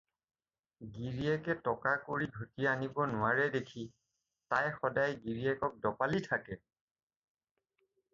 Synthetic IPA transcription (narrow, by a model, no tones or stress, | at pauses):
ɡiɹiɛkɛtɔkakoɹiɡʱutiaanibɔnʊwaɹɛdekʰi | tajxɔdajɡiɹiɛkɔk̚dɔpalitʰakɛ